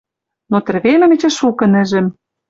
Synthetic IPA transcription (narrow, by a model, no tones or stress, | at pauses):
not̪ɘ̆rβemɘ̆mɘ̆t͡ɕĕʃukɤ̆nɘ̆ʒɘ̆m